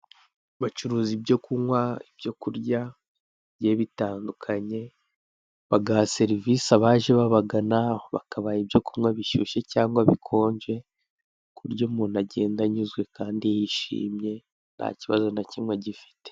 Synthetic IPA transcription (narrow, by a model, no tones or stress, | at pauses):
βat͡ʃuɾuːzibɟo̞kumŋwaibjo̞kuɾɟa | bɟeβitaːndukʰaɲe̞ | βaɡase̞ɾivisaβaːʒeβaβaɡanaβa̰kaβajibjo̞kumŋwaβiʃuʃe̞caːŋɡwaβikʰo̞ːɲɟe̞ | kuɾɟomuːnaɟe̞ːndaɲuzɡwe̞kaːndijiʃḭːmɲe̞ | n̥ha̰ciβazo̞nacimweɟifi̥te̥